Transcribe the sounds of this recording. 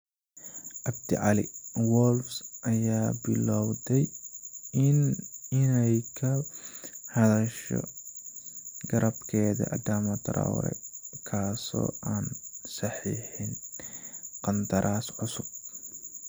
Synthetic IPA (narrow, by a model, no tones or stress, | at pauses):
ʔɐbt̪ʰɪʕɑlɪwɔlfsʔɐjaːbɪlɔwd̪ɛj | ɪnɪnɛjkʰɐ | hɐðɐʃɔ̰ | ɡɐɾʔɐbkʰɛːðɐ̰ʔɐd̪aːmɐt̪ɾɔ̰wɾɛ̰kʰaːsɔ̰ːʔaːnsɐħiːħɪn | qɐnt̪ʰɐɾʔaːsʕʊsʊb̚